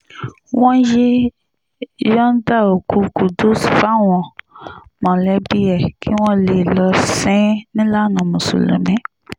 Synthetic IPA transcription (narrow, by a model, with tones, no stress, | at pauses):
w̃ɔ̃˦je˦ | jɔ̃˦n̩˦da˦˨o˨ku˧ku˨do˦sfa˦w̃ɔ̃˨ | mɔ̃˨lɛ˨˦bi˦ɛ˨kʰi˦w̃ɔ̃˦le˨lɔ˧sɛ̃˦nĩ˦la˦˨nɔ̃˨mũ˨so̰˨lo̰˨mɛ̃˨˦